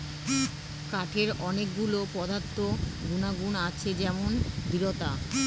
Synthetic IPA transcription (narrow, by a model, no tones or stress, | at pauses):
kaʈʰeɾɔnekɡulopɔd̪ʱat̪ːoɡunaɡunat͡ɕʰed͡ʑɛmond̪iɾot̪a